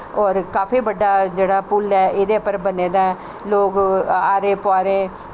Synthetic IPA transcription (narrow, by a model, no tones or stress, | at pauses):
ɔːɾkaːpʰiːbəɖːaːd͡ʒeːɽaːpʊlɛːʔɪd̪eːpəɾbəneːd̪aːɛ | loːɡaːɾẽːpʊaːɾẽː